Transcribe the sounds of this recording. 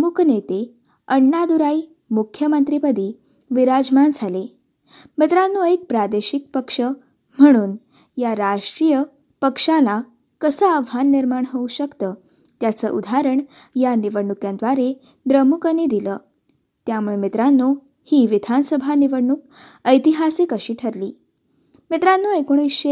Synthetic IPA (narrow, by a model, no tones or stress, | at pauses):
əmukənet̪e | əɳːad̪uɾai | mukʰjəmənt̪ɾipəd̪iː | ʋiɾad͡zmand͡zʱale | mit̪ɾanːuek̚pɾad̪eɕik̚pəkʂə | m̤əɽ̃uːn | jaɾaʂʈɾijə | pəkʂala | kəsəaʋʱanːiɾmaɳɦouɕəkt̪əː | t̪jat͡səʔud̪ʱaɾəɳ | janiʋəɽɳukjãnd̪ʋaɾe | d̪ɾəmukənid̪iləː | t̪jamuɭemit̪ɾanːu | hiːʋid̪ʱansəbʱaniʋəɽɳuk | əjt̪iɦasikəɕiːʈʰəɾliː | mit̪ɾanːuekoɽ̃isɕe